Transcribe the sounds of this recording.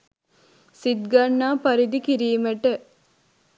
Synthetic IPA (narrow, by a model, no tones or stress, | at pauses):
sid̪ɡɐɳːaːpɐɾid̪ikiɾiːməʈə